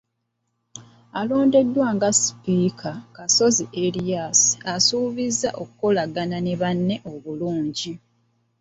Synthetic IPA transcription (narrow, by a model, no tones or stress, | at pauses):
alo̞ːnde̞dːwaːŋɡasi̥piːkʰakaso̞ziʔelijasi̥asuːβizːaʔo̞kuko̞laɡananeβanːe̞ʔo̞βuluːɲɟi